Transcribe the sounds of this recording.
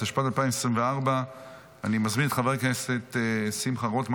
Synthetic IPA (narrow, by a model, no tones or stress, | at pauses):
haʃpatalpaːɪmsimveaʁba | animazminɛtχavɛʁkɛset̪ːsimχaʁotm